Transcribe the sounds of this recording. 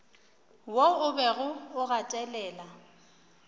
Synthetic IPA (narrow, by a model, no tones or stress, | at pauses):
woʊbɛɣʊʊɣatʼɛlɛːla